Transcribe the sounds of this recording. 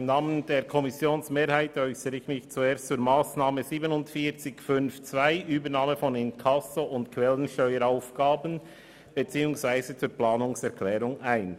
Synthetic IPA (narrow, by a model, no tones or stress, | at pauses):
mnaːməndeːɾkʰɔmɪsjoːnsmeːɾhaɪtœʏsəɾəɪçmɪçt͡sueːɾstt͡suːɾmaːsnaːməziːbənʊntfiːt͡sɪçfʏnft͡svaɪʔyːbənaːməfɔnɪnkʰɑsoʔʊntkʰʋɛlənʃtœʏəɾaʊfɡ̥aːbən | b̥et͡siːʊŋsvaɪzət͡suːɾplaːnʊŋsɛɾkʰlɛːɾʊŋaɪn